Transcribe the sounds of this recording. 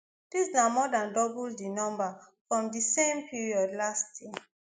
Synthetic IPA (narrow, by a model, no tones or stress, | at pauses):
d̥isnamɔdãndɔbuldinɔ̃mba | fɹɔ̃mdisẽmpʰiɹiɔdlastji